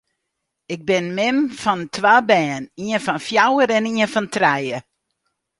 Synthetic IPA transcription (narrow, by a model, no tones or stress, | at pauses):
ɪk̚bɪnmɪmfɔntʰwaːbɛːniənfɔnfjawəɾɛniənfɔntrɛjə